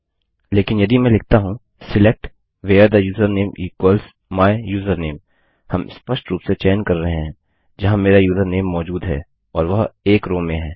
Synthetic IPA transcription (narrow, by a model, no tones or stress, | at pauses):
leːkɪnjɐd̪ʱimɛ̃ːlɪk̚ʰt̪aɦũ | sɪlek̚ʈ | ʋeːəɾd̪ajuːzəɾneːmʔiːkwəls | maːɪjuːzəɾneːm | hɐmspɐʃʈɾuːpset͡ʃɛːnkɐɾːɐɦẽɦɛ̃ː | d͡ʒɐɦãmeːɾajuːzəɾneːmːɔːd͡ʒuːd̪ɦɛ̰ː | ɔːɾʋɐɦeːkɾoːmẽɦɛ̃ː